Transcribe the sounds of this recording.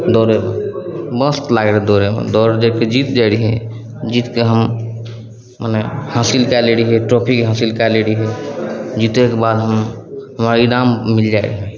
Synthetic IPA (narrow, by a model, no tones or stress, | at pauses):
d̪ɔɾemḛbə̃st̪laɡeɾɛd̪ɔɾemḛd̪ɔɾed͡ʒeked͡ʒit̪d͡ʒaɽiɦɛ̰̃ | d͡ʒit̪keɦəm | manɛhasilkaleɽiɦɛʈɾɔpʰikɦãsilkaleɽiɦɛd͡ʒit̪ekebad̪ɦəmɦəmaiɾammild͡ʒaɪɽiɦɛ̃